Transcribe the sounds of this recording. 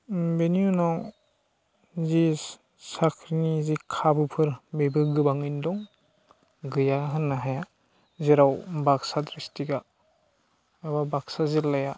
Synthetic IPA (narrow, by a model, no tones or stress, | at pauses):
benjunaw | zi | sakʰɾinizikʰabɯpʰɯɾbebɯɡɯbaŋindɔŋ | ɡɯjaɦɯnːaɦaja | ziɾawbaksadɾistiɡa | ebabaksazilːaja